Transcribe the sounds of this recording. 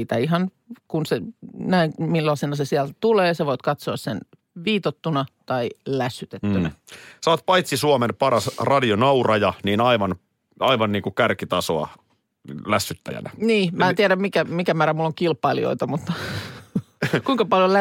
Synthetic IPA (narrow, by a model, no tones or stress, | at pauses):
iːt̪æiɦɑn | kunsenæiŋmilːɑsenɑsesiælt̪uleːseʋoit̪kɑt̪soɑssen | ʋiːt̪ot̪ːunɑt̪ɑilæsːyt̪et̪ːynæ̰sɑːt̪̚pɑjt̪sisuɑmenpɑrɑsrɑdionɑurɑjɑniːnɑiʋɑn | ɑiʋɑnniːŋkukærkit̪ɑsoɑ̰ | læsːyt̪ːæ̰jæ̰næniːmæːent̪iæɾæmmikæmikæmæːɾæmulːoŋkilpːˑɑilḭo̰it̪ɑmut̪ːɑ | kuiŋkɑpɑljolæ